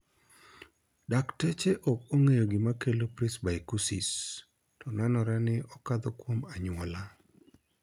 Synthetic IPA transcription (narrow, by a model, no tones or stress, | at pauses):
daktet͡ʃeʔɔkoŋejoɡɪmakelopɾisbaikusis | tɔnanɔɾanɪʔɔkad̪ɔkwomaɲwɔla